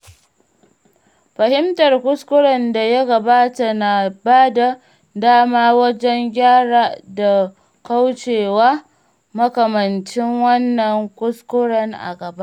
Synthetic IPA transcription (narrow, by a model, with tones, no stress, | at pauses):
ɸɐ˨hɪ˦mtɐ˨rkʷʊ˦skʷʊ˦ɽɐ˨nda˨ja˦ɡɐ˨baː˦ta˨na˨baː˦da˨ | daː˦maː˦wɐ˦d͡ʒɛ˦ŋɡʲaː˦ɽaː˨da˨ | ka˦wt͡ʃeː˨wa˦ | mɐ˦kɐ˨mɐ˨nt͡ʃɪ˦ŋwɐ˦nːɐ˨ŋkʷʊ˦skʷʊ˦ɽɐ˨ŋʔa̰˨ɡɐ˨ba˦ʔ